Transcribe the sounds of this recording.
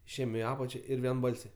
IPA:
ɪʃʲˈeːjɛm ɪ ˈɑːpɐt͡ʃʲɛ ˈɪr ʋʲiɛnˈbɐlʲsʲɛɪ

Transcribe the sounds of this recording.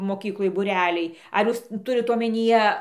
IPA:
moːˈkʲiːklˠoːj buːˈrʲæːlʲɛɪ ɐr ˈjuːs ˈtʊrʲɪt oːmʲɛnʲiːˈjɛ

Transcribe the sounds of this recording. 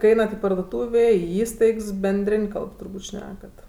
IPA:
kɐɪ ˈɛɪnɐt ɪ pɐrduɔˈtuːʋʲeː ɪ ˈiːstɐɪks bʲɛnʲˈdʲrʲeːnʲ ˈkɐlˠp tʊrˈbuːtʲ ˈʃʲnʲæːkɐt

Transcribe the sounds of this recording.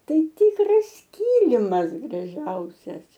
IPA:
ˈtɐɪ ˈtʲiːkrɐs ˈkʲɪlʲɪmɐs ɡrɐˈʒʲɛʊsʲɛs

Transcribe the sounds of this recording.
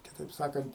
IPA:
kʲɪˈtɐɪp ˈsɑːkɐnt

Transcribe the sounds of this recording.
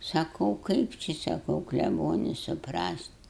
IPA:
sɐˈkɐʊ ˈkɐɪp t͡ʃʲɪ sɐˈkɐʊ klʲɛˈboːnʲɪ sʊˈprɐst

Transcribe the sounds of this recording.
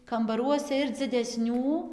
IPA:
kɐmbɐˈruɔsʲɛ ɪr d͡zʲɪdʲɛˈsʲnʲuː

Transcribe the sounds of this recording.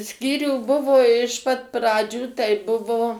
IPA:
ˈsʲkʲiːrʲuː ˈbʊʋoː ɪʃ pɐt ˈprɑːd͡ʒʲuː tɐɪ ˈbʊʋoː

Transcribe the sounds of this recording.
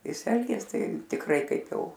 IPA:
ˈjɪs ˈɛlʲɡʲeːs ˈtɐɪ tʲɪkˈrɐɪ ˈkɐɪp ˈjɛʊ

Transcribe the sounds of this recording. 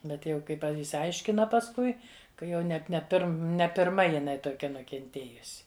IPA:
ˈbʲɛt jɛʊ kɐɪ ˈpɐ ɪʃʲsʲɪˈɐɪʃʲkʲɪnɐ pɐsˈkʊɪ kɐ ˈjɛʊ nʲɛt nʲɛ ˈpʲɪrm nʲɛ pʲɪrˈmɐ jɪˈnɐɪ toːˈkʲɛ nʊkʲɛnʲˈtʲeːjʊsʲɪ

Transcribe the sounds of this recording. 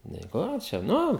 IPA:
nʲɛɪ ˈkoː t͡ʃʲɛ ˈnʊ

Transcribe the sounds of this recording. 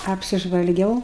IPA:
ɐpʲsʲɪʒʋɐlʲˈɡʲɛʊ

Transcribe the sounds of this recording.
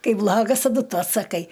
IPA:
ˈkɐɪ ˈblˠɑːɡɐs tɐˈdʊ ˈtʊ ɐtsɐˈkɐɪ

